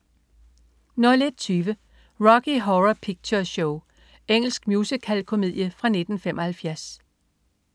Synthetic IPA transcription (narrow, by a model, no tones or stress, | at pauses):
nɒled̥̚t͡sʰyːʋə | ʁɒɡ̥ʰiɦɒʁɐpʰiɡ̥̚t͡sʰɒɕoʊ | eŋ̰l̩sɡ̥mjuːsikʰælkʰo̝mið̞̰ˠjəfʁɑ̈ne̝d̥n̩femʔɒ̽hælfjæɐs